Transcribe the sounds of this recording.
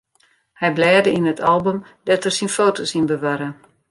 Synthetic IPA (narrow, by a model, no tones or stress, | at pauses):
hɛjblɛːdəinətʰalˠbøm | d̥ɔtərsinfoːtosinbəʋaɾə